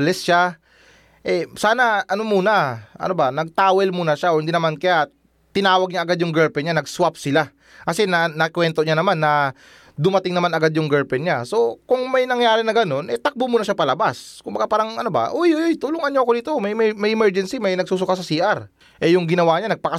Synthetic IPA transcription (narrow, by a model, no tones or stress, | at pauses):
lɛsʃa | ʔɛsaːnɐʔɐno̞muːnɐʔɐ̰nobanɐɡ̚t̪aːwɛlmuːnɐʃaʔohɪnd̪iːnɐmankɐja | t̪ɪnaːwɐɡ̚ɲaʔɐɡad̪jʊŋɡɛɹpɛnɲanɐɡswap̚sɪla | kɐsɛnɐnɐkwɛnt̪o̞ɲanɐmanːɐ | d̪ʊmɐt̪ɪŋnɐmanɐɡad̪̚jʊŋɡɛɹpɛnɲaso̞kʊŋmɐjnɐŋjaːɾɪnɐɡɐno̞nʔɛt̪ɐk̚bomuːnɐʃapɐlɐbaskʊmbɐɡapaːɾɐŋʔɐnoba̰ʔojʔojʔojt̪ulʊŋɐnɲoɐkod̪it̪omɐjmmɐjʔɪmɛɹd͡ʒɛnsimɐjnɐɡ̚suːsʊkasɐsiːʔaɾ | ʔɛjʊŋɡɪnɐwaɲanɐɡ̚pɐkɐ